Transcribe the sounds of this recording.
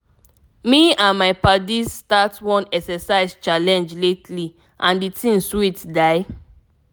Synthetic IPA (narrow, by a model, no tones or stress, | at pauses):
miãnmaɪpadiztatwɔ̃nɛksɛsaɪzt͡ʃalɛ̃nd͡ʒletʰli | ʔãnditʰĩnswitdaɪ